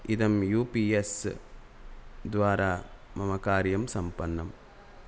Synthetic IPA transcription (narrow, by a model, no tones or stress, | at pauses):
iðɐmjuːpies | d̪ʋaːɾaːmɐmɐkaːɾjɐmsɐmpɐnːɐm